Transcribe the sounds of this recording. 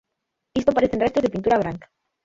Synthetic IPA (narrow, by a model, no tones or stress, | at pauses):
ist̪opaɾeθenrest̪ozðepint̪uɾaβ̞ɾaŋkḁ